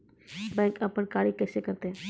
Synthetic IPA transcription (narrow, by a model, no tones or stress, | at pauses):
bɛ̃ːŋkɐpənkaːɽikɛːsekɐɾt̪eɦɛ̃ː